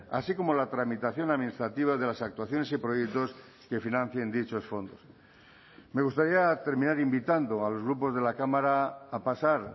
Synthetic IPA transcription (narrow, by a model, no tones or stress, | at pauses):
a̰siko̞mo̞lat̪ɾamit̪aθjo̞naðmĩnist̪ɾat̪iβ̞aðe̞lasak̚t̪waθjone̞sipɾojek̚t̪o̞s | ke̞finãn̟θje̞nd̪it͡ʃo̞sfo̞nd̪os | me̞ɣ̞ust̪aɾiat̪e̞ɾmĩnaɾimbit̪and̪oalo̞zɣɾupo̞zð̞e̞lakamaɾaːpasaɾ